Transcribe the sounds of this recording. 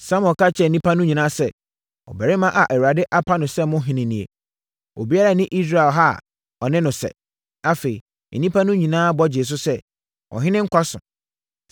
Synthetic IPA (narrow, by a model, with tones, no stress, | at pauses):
sã˦mɔ̃˨ka˦t͡ɕʰɛ˦˨nĩ˦pʰa˦nʊ̃˦ɲĩ˨nãː˦sɛ˦˨ | ɔ̰˨bɛ˨ɾɪ˦mã˦ʔa˨ʔæ˨wu˨ɾa˨dɪ˦ʔa˦pʰa˦nʊ̃˨sɛ˦mʊ̃˦ɦɪ̃˨nɪ̃˨nĩ˨ḛ˨ | o̰˨bi˦a˦ɾa˨nɪ̃˦ʔi˦s̬ɾa˨ɛ˨lɦa˦˨ | ɔ˨nɪ̃˦nʊ̃˨sɛ̰˨ | a˦fe˨i˨ | nĩ˦pʰa˦nʊ̃˦ɲĩ˨nãː˦bɔ˦d͡ʑɪ˨s̬ʊ˦sɛ˦ | ʔɔ̰˨ɦɪ̃˦nɪ̃˦ŋ̩˦kʷʰa˦sʊ̰̃˨